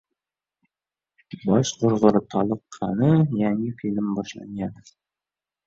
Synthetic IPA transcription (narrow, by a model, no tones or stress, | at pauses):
bɒʃqŏɾʁɤ̆ɾɤt̪ʰɒlˠɤ̆qʰːɑnɤjæŋɘkɵ̆lɘmbɒʃlˠɑ̰njɑ